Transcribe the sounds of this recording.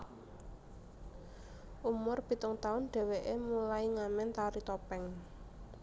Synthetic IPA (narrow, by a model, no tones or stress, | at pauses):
ʔumʊrb̥i̤t̪ʊŋt̪aʊnɖ̥ɛ̤weʔemulaiŋamɛnt̪aɾit̪ɔpɛŋ